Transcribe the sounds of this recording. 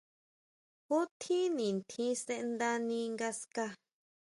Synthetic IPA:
xu˦t̪ʰĩ˦nĩ˨nt̪ʰĩ˦sẽ˦˧ʔnd̪a˧nĩ˧ŋɡa˧ska˦˧

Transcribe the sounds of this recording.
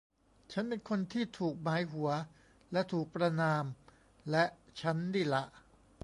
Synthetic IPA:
t͡ɕʰa˦˥npe˧nkʰo˧nt̪ʰiː˥˩t̪ʰuː˨˩k̚maː˩˦jɦu˩˦ɐ | lɛ˦˥ʔt̪ʰuː˨˩k̚pɾa˧naː˧m | lɛ˦˥ʔt͡ɕʰa˦˥ndiː˥˩la˦˥ʔ

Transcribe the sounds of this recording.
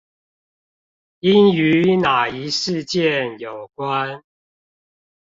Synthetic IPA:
i˦˥ny˨˦na˨˩i˨˦ʂɻ̩˥˧˨t͡ɕjɛ˥˨njo˨˩ʊkwa˦n

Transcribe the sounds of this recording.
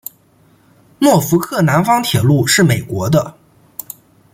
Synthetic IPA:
nwɔ˥˩fu˧˥kʰɤ˥˩na˧˥nfɑ˥ŋt̪ʰjɛ˨˩lu˥˧ʂɻ̩˥˩me˨˩ɪkwɔ˧˥d̪ə˧

